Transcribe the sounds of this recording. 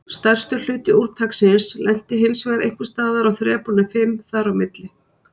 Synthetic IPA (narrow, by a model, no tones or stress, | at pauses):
st̪ɛr̥st̪ʏl̥ʏːt̪ɪuɾt̪ʰaksɪnslʔɛn̥t̪ɪɦɪlsvɛɣaɾʔḛjŋ̥kvɪst̪aːðaɾawθɾɛːpunɪfɪmθaɾawmɪt̪lɪ